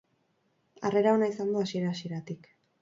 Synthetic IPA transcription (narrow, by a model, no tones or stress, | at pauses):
a̰re̞ɾaonaisand̪oasie̞ɾaːsie̞ɾat̪ik